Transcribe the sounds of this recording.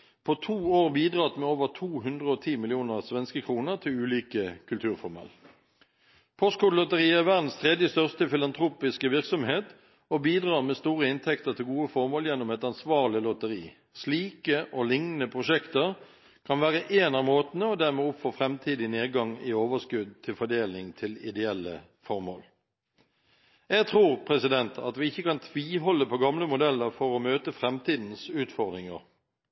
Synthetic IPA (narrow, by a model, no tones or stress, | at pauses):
pʰɔt̪ʰuːoːʁbiːd̪ʁɑːt̪meːoːʋəʁt̪ʰuːɦʉnd̪ʁəɔt̪ʰiːmɪlɪuːnəʁsʋɛnskəkʰʁuːnəʁt̪ʰɪlʉːliːkəkʰʉlt̪ʰʉːʁfɔʁmɑ̰ːl | pʰɔst̪kʰuːlɔt̪əʁiːæʁʋæʁd̪n̩st̪ʰʁɛd̪jəst̪œʁst̪əfɪlɑnt̪ʰɾuːpɪskəʋɪʁksɔmheːt̪ | ɔbiːd̪ʁɑːʁmeːst̪uːʁəɪnt̪ʰɛkt̪əʁt̪ʰɪlɡuːəfɔʁmoːljɛnːʊmɛɪt̪ɑnsʋɑːʁlɪlɔt̪əʁḭː | sliːkəʔɔlɪŋnn̩əpʰʁʊʂɛkt̪əʁ | kʰɑnʋæːʁəʔeːnɑmoːt̪n̩əɔd̪æʁmɛɔpfoːfʁɛmt̪ʰiːd̪ɪneːdɡɑŋɪoːʋəskʉd̪̚t̪ʰɪlfɔɖ̪eːlnɪŋt̪ʰɪlɪd̪ɛɛlːə̰ | fɔʁmo̰ːl | jɛɡt̪ʰʁuːʁpʰʁɛsɪd̪ɛnt̪ʰɑ̰t̪ʋɪɪçːəkɑnt̪ʰʋiːɦɔlːəpɔɡɑmləmʊd̪ɛlːəʁfɔɾɔmøːt̪əfʁɛmt̪ʰiːd̪n̩sʉːt̪fɔʁd̪ʁɪŋə̰ʁ